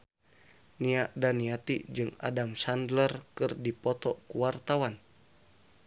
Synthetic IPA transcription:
niaʔdaniat̪id͡ʒɨŋa̰damsandlərkɨrdipɔt̪ɔkuwart̪awan

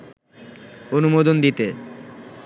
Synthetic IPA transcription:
onumod̪ond̪it̪e

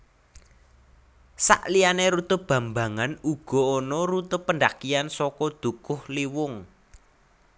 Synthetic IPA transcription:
sa̰ʔlijaneɾut̪ʊb̥ä̤mbä̤ŋanuɡ̥ɔ̤ːnɔɾut̪ʊpːəndakiansɔkɔd̪̥ṳkʊhliwʊŋ

